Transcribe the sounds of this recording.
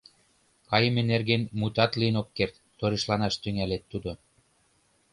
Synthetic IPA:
kɑjəmenerɣenmut̪ɑt̪liənok̚kert̪ːoɾeʃlɑnɑʃt̪yŋælet̪ːud̪o

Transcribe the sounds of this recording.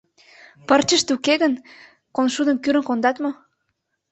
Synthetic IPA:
pərt͡ɕə̆ʃt̪ukeɣən | konʃud̪ə̆mkyɾə̆ŋkond̪ɑt̪mo

